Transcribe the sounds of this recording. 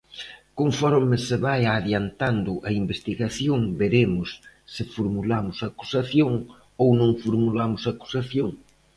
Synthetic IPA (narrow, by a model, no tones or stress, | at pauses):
koɱfɔɾmɪsɪβajaðjant̪and̪ʊʔɐimbest̪iɣaθjoŋbeɾemʊsːɪfuɾmulamʊsaku̥saθjoŋ | ownõŋfuɾmulamʊsaku̥saθjoŋ